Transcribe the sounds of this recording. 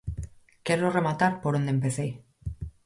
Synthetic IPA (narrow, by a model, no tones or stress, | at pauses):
keɾoremat̪aɾpoɾond̪emp̬eθej